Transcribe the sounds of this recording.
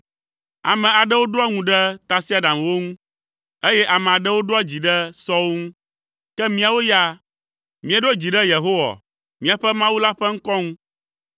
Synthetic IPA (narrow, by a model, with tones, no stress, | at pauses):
a̰˨mɛ̃˨a˨ɖɛ˦wo˦ɖo˦a˦ŋũ˨ɖɛ˦t̪a˨si˦a˦ɖã˨mwo˦ŋũ˦ | e˦jɛ˦ʔa˨mɛ̃˨a˨ɖɛ˦wo˦ɖo˦a˦d͡ʑi˨ɖɛ˦sɔ˦wo˦ŋũ˦ | kɛ˦mĩ˦a˨wo˦ja˦ | mĩ˨e˨ɖo˦d͡ʑi˨ɖɛ˦je˨ɦo˦wa̰˨ | mĩ˦a˨ɸɛ˦mã˦wu˦la˦ɸɛ˦ŋ̩˦kɔ˦ŋũ˦